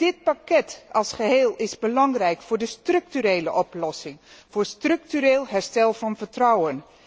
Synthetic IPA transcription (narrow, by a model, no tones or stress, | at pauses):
d̥ɪt̚pakɛtɑlˠsχəɦeːlˠɪzbəlɑŋrɛjkfʊːɹdəstrɵk̚tyɾejləʔɔplɔsɪŋv̥ʊːɹstrɵk̚tyɾeːlˠɦɛɹstɛlˠvɑnvəɹtrɔwən